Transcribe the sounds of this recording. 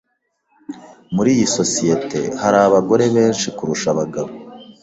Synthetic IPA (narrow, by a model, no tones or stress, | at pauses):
muɾiːjiso̞sijete̞haɾaβaɡo̞ɾe̞βe̞ːnʃikuɾuʃaβaɡaβo